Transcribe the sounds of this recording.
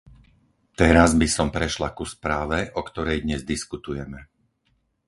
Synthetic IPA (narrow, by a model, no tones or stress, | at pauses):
t̪ɛɾazbisɔmpɾɛʃlakuspɾaːʋɛʔɔkt̪ɔɾɛjd̪ɲɛzd̪iskut̪ujɛmɛ